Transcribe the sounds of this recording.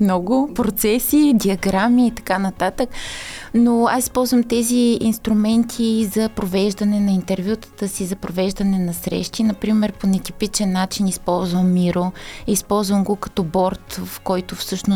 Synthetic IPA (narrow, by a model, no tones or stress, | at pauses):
mnɔɡʊpɾot̪sɛsiːd̪ʲiɐɡɾamiːt̪ɐ̥kanɐt̪at̪əknoasi̥spɔlˠzvəmt̪ɛziinst̪ɾumɛnt̪ʰizɐpɾovɛʒd̪ɐnɛnɐint̪ɛɾvʲjut̪ə̥t̪əsizɐpɾovɛʒd̪ɐnɛnɐsɾɛ̰ʃt̪inɐpɾimɛɾponɛt̪ipit͡ʃɛnːat͡ʃinispɔlˠzvəmːiɾoispɔlˠzvəmɡokɐ̥t̪ɔbɔɾt̪fkɔjt̪ʊfsɤʃnʊ